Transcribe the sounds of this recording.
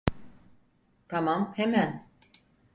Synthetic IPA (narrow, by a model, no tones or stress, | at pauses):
t̪ʰamamhɛmæn